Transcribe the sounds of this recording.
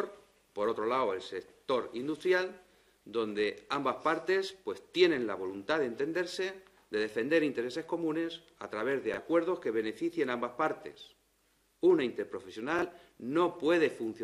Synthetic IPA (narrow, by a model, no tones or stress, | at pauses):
ɾ | po̞ɾo̞t̪ɾo̞laoelse̞kt̪o̞ɾind̪ust̪ɾjal | d̪o̞nd̪e̞ambaspaɾt̪e̞spwe̞st̪je̞nẽ̞nla̰βo̞lunt̪aðent̪e̞nd̪e̞ɾse̞ | d̪e̞ðe̞fe̞nd̪e̞ɾint̪e̞ɾe̞se̞hko̞mũne̞s | a̰t̪ɾaβe̞zðeakwe̞ɾð̞o̞ske̞β̞e̞ne̞fiθje̞nãmbaspaɾt̪e̞̰s | unaint̪e̞ɾpɾo̞fesjo̞nal | no̞pwe̞ðe̞fun̟θ